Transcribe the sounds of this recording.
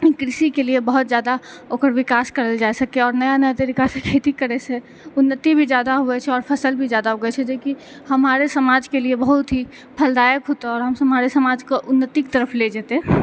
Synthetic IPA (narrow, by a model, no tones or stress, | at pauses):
kɾɪsikeliebəɦʊt̪̚zjaːd̪aoːkəɾʋɪkaːskəɾəld͡ʒasəkeɔːɾnəjanəd̪eɾɪkasekʰet̪ikəɾese | ʊnːət̪ibʱid͡ʒjaːd̪aɦuɛt͡ʃʰɛɔːɾpʰəsəlbʱid͡ʒjaːd̪aɦuɡɛt͡ʃʰɛd͡ʒoːki | həmaːɾesəmaːd͡ʒkeliebəɦʊt̪ɦi | pʰəld̪aːjəkɦoːt̪aɔːɾɦəmsmaɾesəmaːd͡ʒkoʔʊnːət̪ikt̪əɾəpʰled͡ʒeːt̪e